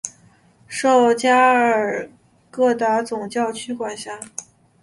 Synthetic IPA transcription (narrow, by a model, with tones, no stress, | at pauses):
ʂo˥˩ʊt͡ɕja˥ə˞˨˩ | kɤ˥˩t̪a˧˥t͡sʊ˨˩ŋt͡ɕjɑ˥˩ʊt͡ɕʰy˥kwa˨˩nɕja˥˩